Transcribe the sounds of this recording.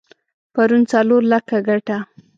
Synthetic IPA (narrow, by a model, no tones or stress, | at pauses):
paɾunt͡saloɾlakaɡaʈa